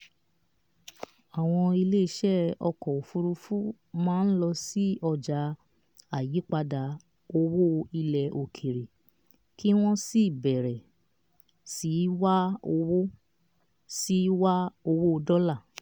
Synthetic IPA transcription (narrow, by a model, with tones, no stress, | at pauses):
a˨w̃ɔ̃˧i˧le˦i˦ʃɛ˦ɔ˧kɔ˨o˨fu˧ɾu˧fu˦ | mãː˦n̩˦lɔ˧si˦ɔ˧d͡ʒa˧ | a˨ji˨˦k͡pa˧da˧ | o˧wo˦i˧lɛ˨ʔo˨kʰe˨ɾe˨ | ki˦w̃ɔ̃˦si˦˨bɛ˨ɾɛ˨ | si˨˦wa˦o˧wo˦ | si˦wa˦o˧wo˦o˧dɔ˦la˦˨